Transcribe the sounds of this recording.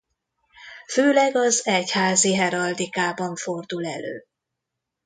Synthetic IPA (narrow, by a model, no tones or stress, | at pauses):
føːlɛɡɒzɛchaːziɦɛɾɒld̪ikaːbɒɱfo̞rd̪ulɛ̰lø̰ː